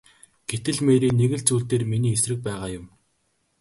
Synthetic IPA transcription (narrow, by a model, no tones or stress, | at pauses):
ɡ̥et̪ɘ̆ɮmeːɾiːneɣɘ̆ɮt͡suːɬt̪eːrminiːesrɘ̆k̚pæːʁaːjʊm